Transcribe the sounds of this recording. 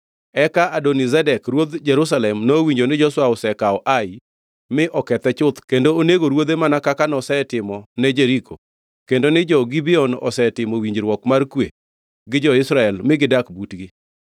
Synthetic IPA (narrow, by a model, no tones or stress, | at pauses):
ɛkaadɔnizɛdɛkrwod̪d͡ʒɛɾus̬alɛmnowiɲd͡ʒonɪd͡ʒɔswaɔsɛkaɔʔaɪ | mɪʔɔkɛt̪ɛt͡ʃʊt̪kendooneɡoɾwod̪emanakakanɔsɛtɪmɔnɛd͡ʒɛɾikʰo | kendonɪd͡ʒɔɡibɪɔnɔ̰sɛtɪmowiɲd͡ʒɾwɔkmarkwe | ɡɪd͡ʒɔɪsɾaɛlmɪɡɪdakbutɡɪ